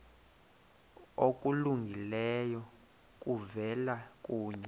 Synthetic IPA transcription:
okʼuluŋɡʱilɛjɔ | k̬ʼuvɛlak̬ʼuːɲɛ

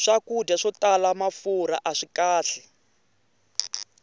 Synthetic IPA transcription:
ʂakudaʂɔtalamafuɾa̰ʔaʂikaːɬɛ

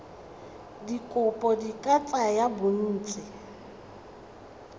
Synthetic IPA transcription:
dikʼʊpʼɔdikʼat͡sʼajabʊn̩ːt͡sʼɪ

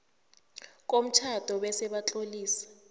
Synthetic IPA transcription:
k̬ʼom̩t͡ʃʰad̥ʱɔɓɛsɛɓat͡ɬʼoliːsḁ

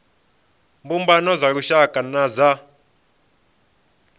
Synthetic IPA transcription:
mbumbanɔzaɺuʃakʼanaza

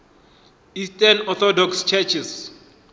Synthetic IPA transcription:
istanɔθɔdɔkst͡ʃʰɛt͡ʃʰis

